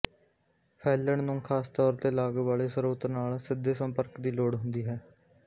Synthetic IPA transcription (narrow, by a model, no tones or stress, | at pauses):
pʰɛːləɳnũːkʰaːst̪ɔːɾt̪eːlaːɡʋaːɭeːsəɾoːt̪naːlsɪd̪eːsəmpəɾkd̪iːloːɽɦʊnd̪iːɦɛː